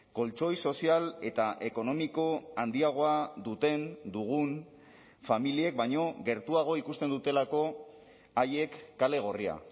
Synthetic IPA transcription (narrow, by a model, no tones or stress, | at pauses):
ko̞lt͡ʃo̞jso̞siale̞t̪aʔe̞ko̞no̞miko̞and̪iaɣ̞o̞aðut̪e̞nd̪uɣ̞un | familie̞k̚baɲo̞ɣe̞ɾt̪uaɣ̞o̞ikust̪e̞nd̪ut̪e̞lako̞ | aje̞kːale̞ɣ̞o̞ria̰